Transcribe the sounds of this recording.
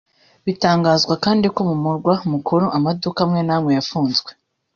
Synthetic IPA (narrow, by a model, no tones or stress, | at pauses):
βitaːŋɡaːzɡwakaːndiko̞mumuɾɡwamukʰoɾoʔamadukamŋe̞naːmŋe̞jafuːnzɡwe